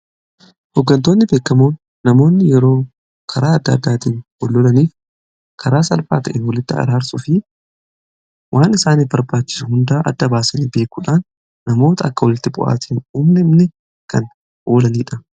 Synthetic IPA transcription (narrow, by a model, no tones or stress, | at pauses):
hɔɡːɐnt̪o̞ːnːɪbe̞ːkːɐmoːnː | ɐmo̞ːnːɪjɛɾo̞ː | kʰɐɾaːɐd̪ːɐɐd̪ːaːt̪iːnhɔlːɔlɐniːf | kʰɐɾaːsɐlfa̰ːt̪ɐʔɛnwɐlɪt̪ːɪɐ̰ɾaːɾsʊfɪ | wʔaːnɪsaːnɪfbɐɾbaːt͡ʃːɪ̥sʊhʊnd̪aːʔɐd̪ːɐbaːsɐniːbe̞ːkːʊᶑaːnː | ɐmo̞ːt̪ɐɐkːɐwɔlɪt̪ːɪbʊ̰ʔa̰ːt̪ʰiːnuːmnɛɪmnɛ | kɐn | ʔoːlɐniːᶑɐ